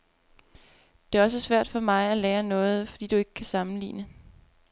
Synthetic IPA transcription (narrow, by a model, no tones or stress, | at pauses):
d̥e̝æɐɒ̽s̬əsʋæɐ̰d̥fɒ̽mɑ̈ɪæleːɐnɔ̽ːð̞̩ˠfɒd̥ḭːd̥ue̝ɡ̥ə̥kʰæsɑ̈mn̩lḭːnə